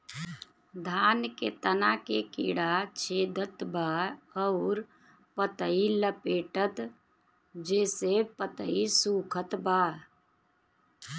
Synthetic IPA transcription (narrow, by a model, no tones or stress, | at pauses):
d̪ʱaːnkḛt̪ənakekḭɽat͡ʃʰeːd̪ʱət̪baəʊɾ | pət̪əiləpeːʈət̪ | d͡ʒeːsepət̪əisuːkʰət̪ba